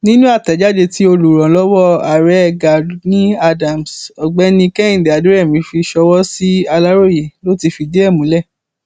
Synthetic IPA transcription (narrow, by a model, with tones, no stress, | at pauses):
nĩ˦nũ˦a˦˨tɛ˨˦d͡ʒa˦d͡ʒe˧ti˦o˧lu˨ɾɔ̃˨˦lɔ˦wɔ˦a˨ɾɛ˦ɛ˦˧˨ɡa˨nĩ˦a˧dã˨m˨sɔ˨ɡ͡bɛ˦nĩ˧kɛ̃˦ĩ˦˨dɛ˨a˨du˨˦ɛ˦˨mĩ˨˦fi˧ʃɔ˧wɔ˦si˦a˧la˦ɾo˦ji˨lo˦ti˧fi˧d͡ʒe˦ɛ˦˨mũ˨˦lɛ˦˨